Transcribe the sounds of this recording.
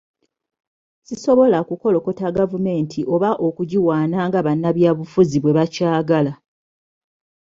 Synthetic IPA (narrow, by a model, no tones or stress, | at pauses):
siso̞βo̞lakuko̞lo̞ko̞taɡavume̞ːntʰiʔo̞βaʔo̞kuɟiwaːnaːŋɡaβanːaβjaːβufuziβwe̞βacaːɡala